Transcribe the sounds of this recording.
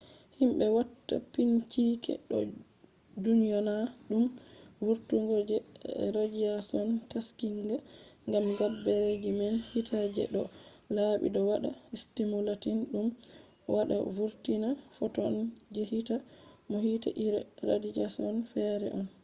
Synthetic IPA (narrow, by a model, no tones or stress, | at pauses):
himɓɛwatːa̰pint͡ʃikɛ̰ɗɔ̰ | dunijɔnaɗumvuɾtuŋɡod͡ʒɛɾad͡ʒiasɔntaskiŋɡaŋɡamɡabːɛɾed͡ʒimɛnhitʰad͡ʒɛ̰ɗɔ | laɓḭdɔwaɗa̰istimulatinɗum | waɗa̰vuɾtinafɔtɔnd͡ʒɛhitamohita̰ʔiɾɛɾadid͡ʒasɔnfɛɾɛ̰ʔɔn